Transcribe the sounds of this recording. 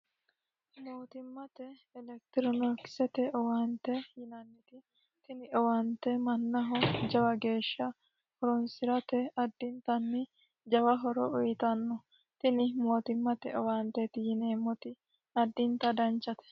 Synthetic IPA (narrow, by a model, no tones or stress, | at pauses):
moːt̪ɪmːɐt̪ɛɛlɛk̚t̪ɪɾɔnɔksɛt̪ɛʔɔwant̪ɛjɪnɐnːɪt̪ɪ | t̪ɪnɪʔɔwant̪ɛmɐnːɐɦɔd͡ʒɐwɐɡe̞ːʃːɐ | hɔɾɔnsɪɾɐt̪ɛɐd̪ːɪnt̪ɐnːɪ | d͡ʒɐwɐɦɔɾɔ̰ʊjt̪ɐnːɔ | t̪ɪnɪmo̞ːt̪ɪmːɐt̪ɛʔɔwaːnt̪ɛt̪ɪjɪneːmːɔt̪ɪ | ɐd̪ːɪnt̪ɐd̪ɐnt͡ʃːɐt̪ɛ̥